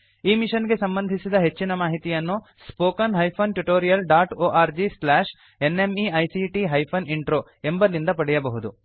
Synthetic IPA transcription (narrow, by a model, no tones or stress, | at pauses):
iːmiʂɐnɡe̞sɐmbɐnd̪ʱisid̪ɐɦe̞t͡ʃːinɐmaːɦit̪ijɐnːu | spoːkɐnɦɐjpʰɐnʈuʈoːɾijɐlɖaːʈoːʔaːɾd͡ʒislaːʂ | enemiɐjsiʈiɦɐjpʰɐniɳʈɾoː | e̞mbɐlind̪ɐpɐɽɛjɐbɐɦud̪u